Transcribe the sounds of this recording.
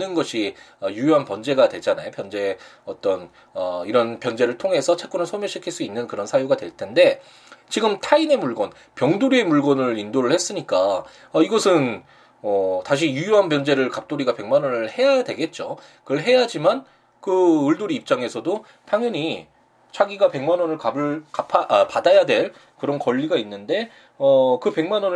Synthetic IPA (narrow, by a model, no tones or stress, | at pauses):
nɯnɡʌɕʰi | ʌjujuɦanpʌnd͡ʑe̞ɡadwe̞d͡ʑana̰jopjʌnd͡ʑe̞ʌt͈ʌn | ʌiɾʌnpjʌnd͡ʑe̞ɾɯɭtʰoŋɦe̞sʰʌt͡ɕʰe̞k͈unɯɭsʰomjʌɕʰikʰiɭs͈uinːɯnkɯɾʌnsʰajuɡadweɭtʰe̞nde̞ | t͡ɕiɡɯmtʰaine̞muɭɡʌn | pjʌŋduɾie̞muɭɡʌnɯɾindoɾɯɭhes͈ɯɲik͈a | ʌiɡʌsʰɯn | ʌtaɕ̬ʰijujuɦanpjʌnd͡ʑe̞ɾɯɭkap̚t͈oɾiɡape̞ŋmanʌnɯɯɭhe̞jadwe̞ɡe̞t̚t͡ɕ͈o | kɯɯɭɦe̞jad͡ʑiman | kɯɯɭdoɾiːp̚t͡ɕ͈aŋe̞sʰʌdo | pʰjaŋjuɲi | t͡ɕʰaɡiɡape̞ŋmanʌnɯɭkabɯɭkapʰapadajadwe̞ɭ | kɯɾʌnkʌʎːiɡainːɯnde̞ | ʌkɯpe̞ŋmanʌn